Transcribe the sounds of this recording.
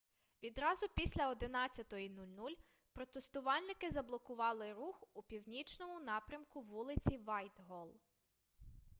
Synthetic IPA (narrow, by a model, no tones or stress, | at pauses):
ʋʲid̪ɾɑzʊpʲisʲlʲɐɔd̪ɪnɑt͡sʲːɐt̪ɔinulʲnulʲ | pɾɔt̪est̪ʊʋɑlʲnɪkɪzɐblˠɔkʊʋɑlˠɪɾuxupʲiwnʲit͡ʃnɔmʊnɑpɾʲɐmkʊʋulˠɪt͡sʲiʋɑjt̪ɦɔlˠ